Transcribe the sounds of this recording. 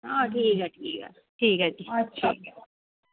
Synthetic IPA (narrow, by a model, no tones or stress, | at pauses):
aʈʰiːkɛʈʰiːkɛ̰ | ʈʰiːkɛtʰiḭːk